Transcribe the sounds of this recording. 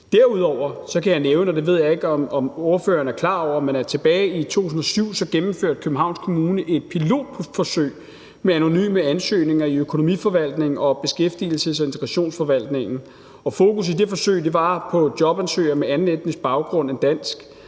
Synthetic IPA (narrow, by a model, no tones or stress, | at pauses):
d̥æɐ̰uð̞ˠɒʊ̰ɐsɒ̽kʰæjɑ̈ɪneːʊnəɒd̥eʋe̝ð̞̰ˠjɑ̈e̝ɡ̥əɒ̽mɒ̽mo̝ːɐfø̰ːɐnəæɐkʰlɑ̰̈ːɒʊ̰ɐmenæɐt͡sʰe̝b̥ɛːɪit͡sʰo̝̰ːt͡sʰusn̩ɒ̽syʊ̰sɒ̽ɡ̥emm̩føɐ̰d̥̚kʰøb̥̚n̩ɦɑ̈ʊ̰nskʰo̝muːnəʔe̝d̥̚pʰilo̝̰ːd̥ʰfɒ̽sø̰ɪ̰ | meæno̝ny̰ːməænsø̰ːne̝ŋɐiøkʰo̝no̝mḭfɒ̽ʋæl̰d̥ne̝ŋ̩ɒ̽b̥e̝sɡ̥efd̥ḭl̩səsɒe̝nt͡sʰeɡ̥ʁɑɕo̝̰ːnsfɒ̽ʋæl̰d̥ne̝ŋn̩ | ɒ̽fo̝ːkus̬id̥e̝fɒ̽sø̰ɪ̰d̥e̝ʋɑ̈pʰɒ̽d̥jɒ̽b̥ænsø̰ːɪɐmeænn̩ed̥nəsb̥ɑ̈ʊɡ̥ʁɔ̽n̰end̥æn̰sɡ̥